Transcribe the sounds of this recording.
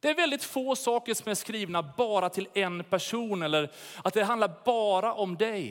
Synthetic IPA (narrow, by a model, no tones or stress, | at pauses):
d̪̥ɛæɾvɛld̪ɪt̪foːsɑːkəɾʂɔmæʂkɾiːvnabɑːɾat̪ʰɪlɛnpʰæʂuːnɛlːəɾat̪̚d̪ɛɦand̪laɾbɑːɾaʔɔmd̪ɛj